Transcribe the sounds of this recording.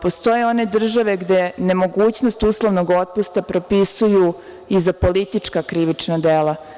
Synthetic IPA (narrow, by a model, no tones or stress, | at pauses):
po̞st̪o̞jeo̞ne̞d̪r̩ʒaʋe̞ɡd̪ene̞mo̞ɡuːt͡ɕno̞st̪uːslˠoʋnoɡo̞t̪̚pust̪apɾo̞pisuju | izapo̞lit̪it͡ʂkakɾiʋit͡ʂnad̪ela